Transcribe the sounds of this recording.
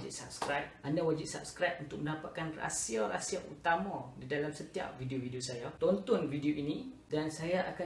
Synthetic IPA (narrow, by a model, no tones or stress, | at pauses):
d͡ʒɪ̰tsap̚skɾap̚ʔandawad͡ʒɪʔ̪̚sap̚skɾajp̚unt̪ʊk̚mə̃ndapat̪̚kanra̰siara̰siaʔṵt̪amãdidalamsət̪ia̰p̚vidiovidiosajat̪ɔnt̪ɔnvidioʔinidansajaʔaka